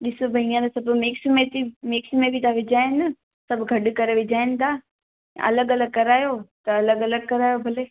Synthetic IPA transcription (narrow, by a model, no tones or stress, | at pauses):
ɗɪsobʱɐiãt̪ɐsɐbmɪksmẽt̪imɪksmẽbʱit̪ʰaʋɪd͡ʑaːɪnɐ | sɐbʱɡʱɐɗkɐɾeʋɪd͡ʑaːɪnɪ̆t̪ʰaː | ʔɐ̰ləɡɐləɡ̚kɐɾaːjot̪ɐɐləɡɐləɡkɐɾaːjobʱɐleː